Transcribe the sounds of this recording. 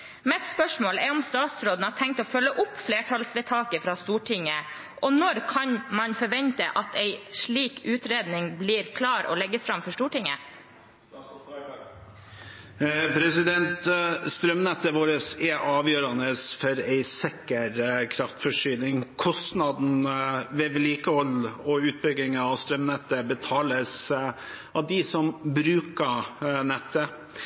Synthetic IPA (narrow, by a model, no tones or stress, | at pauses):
mɛɛt̪spœʂmoːlɛɔmst̪ɑːt̪sɾoːd̪n̩ɑʈʰɛŋk̚t̪ɔːfœlːəʔʊpːfleːʈʰɑlsʋɛt̪ʰɑːkəfɾɑːst̪uːʈʰɪŋːə | ʔɔnɔɾkʰɑnmɑnfɔɾʋɛnt̪əʔɑt̪æɪʂɭiːkʉːt̪ɾeːd̪nɪŋbliːɾkʰlɑːɾɔ̰ːlɛɡːəsfɾɑmfɔʂʈuːʈɪŋə | pʰɾɛsɪd̪ɛnt̪st̪ɾœmnɛt̪ːəʋoːɾəsɛʔɑːʋjøːɾɑnəsfɔɾæɪsɛkəɾkʰɾɑft̪fɔʂyːlɪŋkʰɔst̪nɑd̪n̩ʋɛʋɛliːkəhɔlɔʉːt̪̚bʏɡɪŋɑʋst̪ɾœmnɛt̪ːəbət̪ʰɑːləs | ɑʋd̪ɪsɔmbɾʉːkənɛt̪ːə